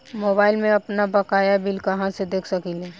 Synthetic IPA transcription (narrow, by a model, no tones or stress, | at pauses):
moːbaːɪlmẽɐpnabɐkaːjabɪlkɐɦãsed̪eːkʰsɐkilɛː